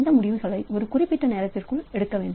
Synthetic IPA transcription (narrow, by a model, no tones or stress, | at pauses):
nd̪ɐmʊɽɪʋɯɣɐɭɐɪʔɔɾɯkʊrɪpːɪʈːɐneːɾɐt̪ːɪrkɯɭɛɽɯkːɐʋeːɳɖ